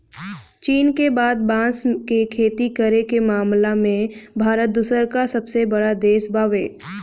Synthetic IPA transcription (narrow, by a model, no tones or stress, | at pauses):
t͡ʃiːnkebaːd̪̚bãːskekʰeːt̪ikəɾekemaːmlamẽbʱaːɾət̪̚d̪ʊsəɾkasɐbsebəɽad̪eːʃbaːʋeː